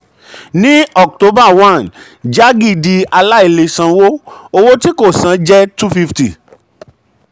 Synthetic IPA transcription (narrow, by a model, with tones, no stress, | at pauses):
nĩ˦ɔ˨k̚to˦ba˦˨wã˦˨n | d͡ʒa˦ɡi˦˨di˧a˧la˦i˦˨le˧sã˧˨wo˦o˧wo˦ti˦ko˦˨sã˨˦d͡ʒɛ˦tu˦fi˦fti˨